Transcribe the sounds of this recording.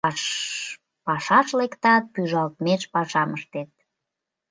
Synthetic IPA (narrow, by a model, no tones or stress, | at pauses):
pɑʃɑʃlekt̪ɑt̪̚pyʒɑlt̪meʃpɑʃɑməʃt̪et̪̚